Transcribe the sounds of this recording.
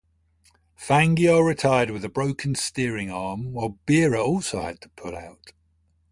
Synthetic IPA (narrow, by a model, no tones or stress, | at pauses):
fãŋɡiəɹɪtʰaɪəd̚wɪðəbɹəʊkʰə̃nstɪəɹɪ̃ŋɑːmwaɪlˠbɪəɹəɔˑlˠsəʊhə̰d̚tʰə̥pʰʊla̰ʊt